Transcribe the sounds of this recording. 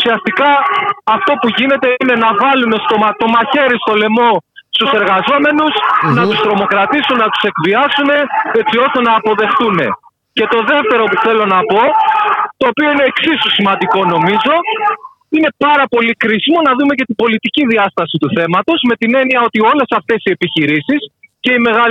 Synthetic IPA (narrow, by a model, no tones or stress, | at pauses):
usiɐst̪ikɐɐft̪o̞puʝine̞t̪e̞ine̞nɐvɐlune̞st̪o̞mɐt̪o̞mɐçe̞ɾist̪o̞le̞mo̞ | st̪use̞ɾɣɐzo̞me̞nusnɐt̪ust̪ɾo̞mo̞kɾɐt̪isunnɐt̪u̥se̞kviɐsune̞et͡sio̞st̪e̞nɐːpo̞ðe̞xθune̞ | ce̞t̪o̞ðe̞ft̪e̞ɾo̞puθe̞lo̞nɐpo̞t̪o̞ːpio̞ine̞ːksisosimɐnd̪iko̞no̞mizo̞ | ine̞pɐɾɐpo̞likɾisimo̞nɐðume̞ce̞t̪ibo̞lit̪iciðiɐst̪ɐsit̪uθe̞mɐt̪o̞zme̞t̪ine̞niɐo̞t̪io̞le̞sɐft̪e̞sie̞piçiɾisisce̞ime̞ɣɐ